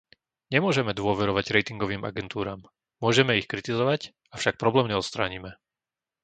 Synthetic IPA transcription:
ɲɛmʊɔʒɛmɛd̪ʋʊɔʋɛɾɔʋaɟɾɛjt̪iŋɡɔʋiːma̰ɡɛnt̪uːɾaːm | mʊɔʒɛmɛixkɾit̪izɔʋac | afʃak̚pɾɔblɛːmɲɛɔt̪st̪ɾaːɲimɛ

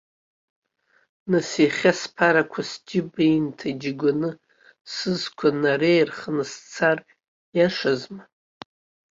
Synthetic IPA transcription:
nɨsiχʲaspʰaɾakʷʰasd͡ʒʲɪbejntʰaid͡ʒɪɡʷanɨ | sɨzkʷʰanarejrχnɨst͡sʰar | jaʂazma

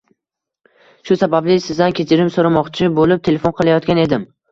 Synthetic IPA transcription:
ʃʊsabablɪsɪzd̪ankʲʰe̞t͡ʃʰɪɾɪmsoɾamɒqt͡ʃʰɪbolɪp̚t̪ʰe̞lʲe̞fonqʰɨlˠajɒt̪kʲane̞d̪ɪm

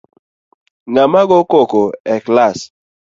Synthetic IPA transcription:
ŋamaɡokokoɛklas

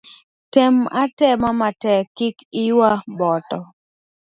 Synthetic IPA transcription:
tɛmatɛmamatɛkɪkɪwabɔtɔ

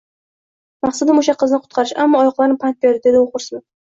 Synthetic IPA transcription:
maχsad̪amoʃaqʰɨznɪqʰʊ̥t̪̚qʰɑɾɪʃa̰mːɒːjɒqlˠaɾnɪpʰant̪̚beɾd̪ɪd̪e̞d̪ɪoχʊɾsmɪ

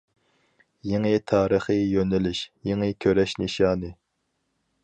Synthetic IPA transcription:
jeŋɨt̪ʰɑːɾəχɨjønɪlɪʃjeŋɨkʲʰøɾɛʃniʃɑːnɨ

